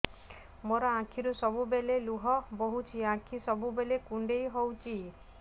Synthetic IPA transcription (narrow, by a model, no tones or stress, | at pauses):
moɾɔãkʰiɾusɔbubeleluɦɔboɦut͡ʃʰiãkʰisɔbubelekuɳɖejɦowt͡ʃʰi